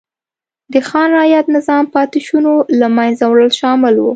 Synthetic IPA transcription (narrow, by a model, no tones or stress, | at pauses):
d̪əxɑnɾɑjat̪nɪzɑmpɑt̪ɪʃunolamajnzawɽəlʃɑmɪlwu